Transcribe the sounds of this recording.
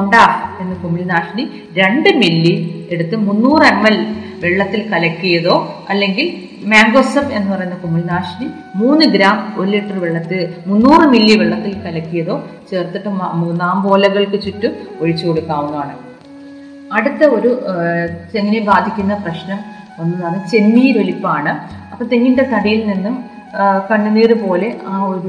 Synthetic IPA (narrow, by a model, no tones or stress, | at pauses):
uɳɖaːenːɨkumilinaːʂni | ɾe̞ɳɖɨmilːie̞ɽut̪ːɨmunːuːremːɐlʋeɭːɐt̪ːilkɐlɐkʲːujɐðo̞ːɐlːe̞ŋɡil | maːŋɡoːsɐme̞nːɨpɐrɐjunːɐkumilinaːʂni | muːnːɨɡɾaːmolːiʈːɐrʋeɭːɐt̪ːɨmunːuːrɨmilːiʋeɭːɐt̪ːilkɐlɐkːujɐðo̞ːt͡ɕe̞ːrt̪ːiʈːɨmunaːmbo̞ːlɐɣɐɭkɨt͡ɕutːɨoɻit͡ɕːukoɽukːaːʋunːaːɳɨ | ɐɽut̪ːɐo̞ɾu | t͡ɕenːiniɡaːd̪ʱikʲːunːɐprɐɕnɐm | ɐnːupɐrɐnːɐt͡ɕe̞nːijiɾʋeɭipːaːɳɨ | ɐpːɐmt̪eŋːinɖet̪ɐɽijilninːum | kɐɳːunːiːrɨpo̞ːle̞ʔaːo̞ɾu